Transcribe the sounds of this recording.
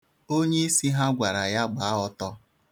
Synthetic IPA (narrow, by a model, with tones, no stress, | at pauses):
o˦ɲe˦i˦si˦ɦa˦ɡʷa˨ɾa˨ja˦ɡ͡ba˨˦ɔ˦tɔ˦